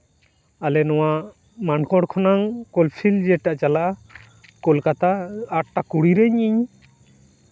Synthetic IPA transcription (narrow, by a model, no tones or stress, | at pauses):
alɛnɔwa | mankɔɽkʰɔnaŋkɔlpʰild͡ʒɛʈaʔt͡ʃalaʔ | kɔlkat̪aːʈ̚ʈakuɽiɾɛɲiɲ